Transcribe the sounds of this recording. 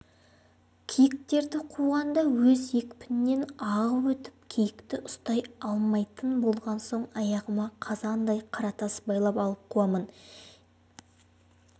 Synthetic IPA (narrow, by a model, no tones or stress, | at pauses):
kʲʰijɪk̚t̪e̞ɾd̪ɪqʰuʁɑnd̪ɑwɵzje̞kʲpʰɪnɪnːe̞nɑʁəwɵt̪ɪ̥p̚kʲʰijɪkt̪ɪʔʊst̪ɑjɑlˠmɑjt̪ənbo̞lˠʁɑnso̞ɴɑjɑʁəmɑqʰɑzɑnd̪ɑjqʰɑɾɑt̪ɑsə̥bɑjlˠɑpɑlˠəp̚qʰuɑmən